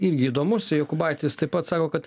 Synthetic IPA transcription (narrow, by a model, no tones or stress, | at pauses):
ɪɾʲɡʲɪiːd̪oːmʊsʲɪjokʊbɑɪt̪ʲɪst̪ɐɪpɐt̪sɑːkoːkɐt̪